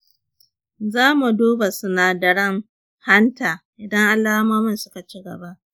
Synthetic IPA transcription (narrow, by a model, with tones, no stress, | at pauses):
zaː˦mu˨doː˦ba˨sʊ˨na˨dɐ˨ɽɐ˦˨ŋ | ha˦ntaː˨ʔɪ˨dɐ˦ŋʔa˨laː˦maː˦mɪ˦˨nsʊ˦ka˨t͡ʃi˦ɡɐ̰˨ba˦ʔ